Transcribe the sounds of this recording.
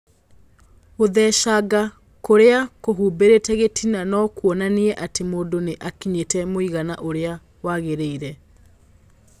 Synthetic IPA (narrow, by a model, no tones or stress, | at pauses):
oðɛʃaɡa | koɾeakoɦuːbeɾetɛɣetʰinanɔkwɔnaniɛʔatemoːndoneʔakiɲetɛmoiɣanaʔoɾea | waɣeɾeiɾɛ